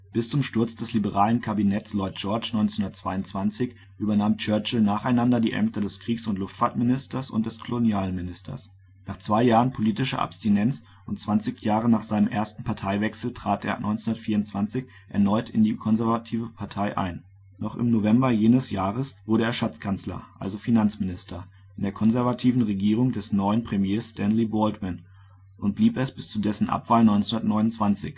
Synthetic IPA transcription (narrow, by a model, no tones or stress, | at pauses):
b̥ɪst͡sʊmʃtʊɐt͡sd̥ɛslibəʁaːlənkʰabinɛtt͡slɔʏt̚d͡ʒ̥ɔɐt͡ʃnɔʏnt͡sɛnʊndɐt͡sv̥aɪʊnt͡sv̥ant͡sɪç | ʔyːbɐnaːmt͡ʃœɐt͡ʃl̩naːχaɪnandɐdiːʔɛ̰mtədɛskʁ̥iːksʊntlʊftfaɐtmɪnɪstɐsʊ̰nt̚d̥ɛskʰolonjaːlənmɪnɪstʰɐ̰s | naːχt͡sv̥aɪjaːʁənpʰoliːtɪʃə̰ʔa̰pstinɛnt͡s | ʔʊntt͡sv̥ant͡sɪçjaːʁ̞ənaːχz̥aɪnəmʔeːɐstn̩pʰaɐtʰaɪvɛksl̩tʁ̥aːtḛːɐ̰nʔɔ̰ʏnt͡senʊnɐtfiːɐʊnt͡sv̥ant͡sɪç | ʔɛɐnɔʏtɪndiːkʰɔnzɛɐvatʰiːvəpʰaɐtʰaɪʔa̰ɪn | nɔχɪ̰mnovɛmbɐjeːnəsjaːʁ̞əsv̥ʊɐɾəeːɐʃat͡skʰant͡slɐ̰ʔa̰lzofinant͡smɪnɪstʰɐ | ɪndeːɐkʰɔnzɛɐvatʰiːvn̩ʁeɡiːʁ̞ʊŋdɛsnɔʏənpʁ̥emjeːsstɛnlibɔːltman | ʔʊnt̚b̥liːpɛsb̥ɪst͡sudɛsn̩ʔa̰pv̥aːlnɔʏnhundɐtnɔʏnʊnt͡sv̥ant͡sɪ̰ç